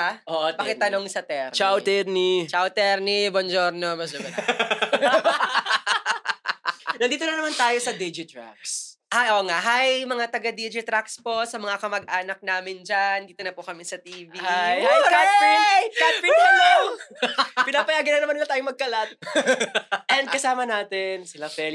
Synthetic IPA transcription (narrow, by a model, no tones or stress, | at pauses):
aʔoʔpɐkɛt̪ːɐnoŋsɐt̪ɛɾt͡ʃawt̪ɛɾnit͡ʃawt̪ɛɾnibond͡ʒoɾnomɐsd͡ʒɐɡɐt̪ | nɐnd̪iːt̪onɐnɐmant̪aːjosɐd̪id͡ʒɪt̪ɾa̰k̚s | ajʔoːŋaʔɦajmɐŋat̪ɐɡad̪id͡ʒɪt̪ɾakspo̞ʔsɐmɐŋakɐmɐɡ̚ʔaːnɐk̚naːmɪnd͡ʒand̪iːt̪onɐpʊkɐmɛsɐt̪iːvijka | kat̪̚fiio | pɪnaːpɐjaːɡɐnɐnɐmanɪlat̪aːjoŋmɐɡ̚kɐlat̪̚ | ʔɛnd̪kɐsaːmɐnaːt̪ɛnsɪlafɛl